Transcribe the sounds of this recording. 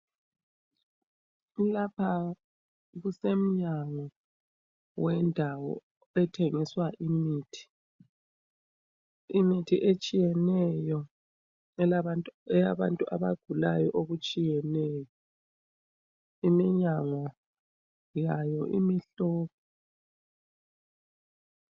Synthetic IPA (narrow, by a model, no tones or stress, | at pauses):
lapʰa | ɣusem̩ɲaŋɔ | wɛndʱawɔ̰ | ɛtʰeŋiswaʔimiːtʰi̥ | imitʰiʔet͡ʃʼijɛnɛjɔ | ɛlaantʼɛjaβantʼuʔaβaɡ̥ʱulajɔʔoɣut͡ʃʼijɛnɛjɔ | imiɲaŋɔ | jajɔʔimiɬɔːpʰɔ